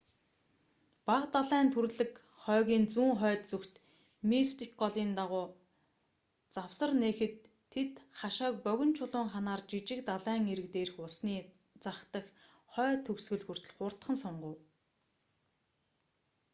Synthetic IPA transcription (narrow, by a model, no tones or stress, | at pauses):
paqt̪aɮæːnt̪ʰuɾɮɘ̆k | χœːɣʲiːnt͡suːŋχœːt̪t͡sɵkt̪ | mist̪ik̚ɢɔɮiːnt̪aʁʊː | t͡saw̥sə̆rneːxɘ̆t̪ʰː | et̪χaʃaːk̚pœɣʲɪ̆nt͡ɕʰʊɮʊːɴχanaːrt͡ɕit͡ɕɪ̆k̚t̪aɮæːŋeɾɘ̆k̚t̪eːɾɘ̆xʊsniː | t͡saχt̪ə̆x | χœːt̪ʰɵksɣɵ̆ɮxɵ̆r̥t̪ɵ̆ɮχʊr̥t̪χə̆nsʊɴɢə̆w